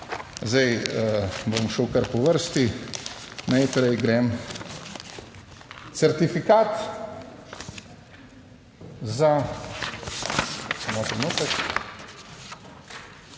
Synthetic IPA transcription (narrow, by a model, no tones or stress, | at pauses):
zajəbomʃəwkɐɾpɔʋəɾst̪i | najpɾɛjɡɾɛm | t̪sɛɾt̪ifikaːt̪ | za | samɔt̪ɾɛnuːt̪ək